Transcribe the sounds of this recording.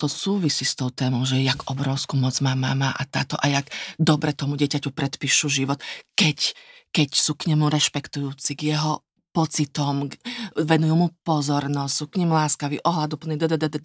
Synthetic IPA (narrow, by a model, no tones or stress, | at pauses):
t̪ɔsuːʋisist̪ɔʊt̪ɛːmɔʊʒɛjaɡɔbɾɔʊskumɔd͡zmaːma̰ːma̰ːʔat̪a̰ːt̪ɔʔajaɡd̪ɔbɾɛt̪ɔmuɟɛcacupɾɛt̪piːʃuʒiʋɔt̪kɛckɛcsukɲɛmuɾɛʃpɛkt̪ujuːt͡siɡjɛɦɔ | pɔt͡sit̪ɔmʋɛnujumupɔzɔɾnɔssukɲɛmulaːskaʋiʔɔɦlad̪upl̩nid̪ɛd̪ɛd̪ɛd̪ɛ